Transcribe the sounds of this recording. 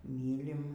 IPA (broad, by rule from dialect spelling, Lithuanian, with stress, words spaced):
ˈmʲiːlʲɪm